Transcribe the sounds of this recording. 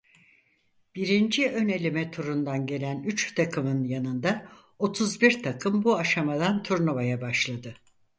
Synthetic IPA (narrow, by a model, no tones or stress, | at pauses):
b̥iɾind͡ʒiø̞ne̞lʲimɛt̪ʰuɾund̪anɟe̞lʲænyt͡ʃt̪ʰakʰɯmɯnjanɯnd̪a | o̞t̪ʰuzbiɾt̪ʰakʰɯmbuaʃamad̪ant̪ʰuɾnuvajabaʃlˠad̪ɯ